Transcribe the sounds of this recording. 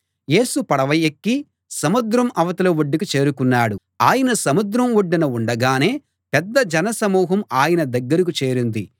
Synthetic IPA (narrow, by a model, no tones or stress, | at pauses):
je̞ːsupɐɽɐʋɐjekːi | sɐmud̪ɾɐmɐʋɐt̪ɐlɐʋoɖːikit͡ʃe̞ːɾukunːaːɽu | aːjɐnɐsɐmud̪ɾɐmʋoɖːinɐuɳɖɐɡaːne̞ː | pɛd̪ːɐd͡ʒɐnɐsɐmuːɦɐmaːjɐnɐd̪ɐɡːɐɾik̬ut͡ʃe̞ːɾind̪i